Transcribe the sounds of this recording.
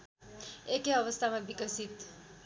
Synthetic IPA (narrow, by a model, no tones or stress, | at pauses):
ekeʌʋəst̪ʰamabikəsit̪